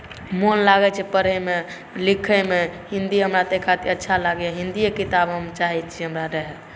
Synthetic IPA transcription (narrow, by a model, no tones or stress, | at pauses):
monlaɡɛt͡ʃʰɛpəɾɛme | likʰəmehĩnd̪iɦəmɾat̪ekʰat̪iətːʃʰalaɡjaɦĩnd̪iekit̪abɦəmt͡ʃaɦɛt͡ʃʰiɦəmɾaɾəɦɛ